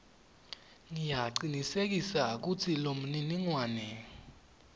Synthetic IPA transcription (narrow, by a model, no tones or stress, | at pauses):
ŋijaǃinisek̬isak̬ut͡sʰilom̩niniŋwaːnɛ